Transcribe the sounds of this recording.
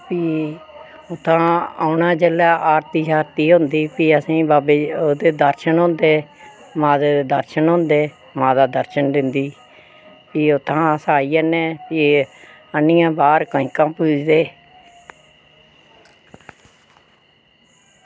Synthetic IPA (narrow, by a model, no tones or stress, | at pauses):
piː | ʊt̪ʰːãːaːʊnãːd͡ʒelaːʔaːɾt̪iːd͡ʒaːɾt̪iːɦʊnd̪iːpiːəsĩːbaːbeːoːd̪eːd̪əɾʃənɦʊ̃nd̪eː | mãːd̪eːd̪eːd̪əɾʃənɦʊ̃nd̪eː | mãːd̪aːd̪əɾʃənd̪ɪnd̪iː | piːʊt̪ʰːãːsaːiːɛnẽːpiː | ənɪjãːbaːɾkəĩːkãːpuːd͡ʒd̪eː